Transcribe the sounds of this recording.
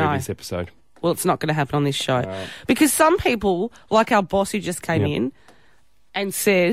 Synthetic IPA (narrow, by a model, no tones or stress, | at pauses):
oʊsɛpə̥soʊd̥̚ | wɛlˠətsnət̚ɡ̥ʌnɨɦæpə̃nə̃nðɪsʃoʊb̥ɨkʰʌz̥sʌ̃mpʰipl̩ˠlaɪkaʊə˞bɔshʉd͡ʒʌskʰẽɪ̃mɪ̃n | ʔɨ̃nsɛ